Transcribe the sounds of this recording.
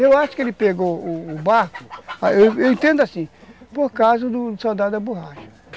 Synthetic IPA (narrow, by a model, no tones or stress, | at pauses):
ewaʃʊ̥kelipeɡoːbaɾkʊ̥aewewĩnt̪ẽnd̪ʊasĩpoɾkazʊd̪ʊd̪sawd̪ad̪ɐboɦaʒɐ̥̃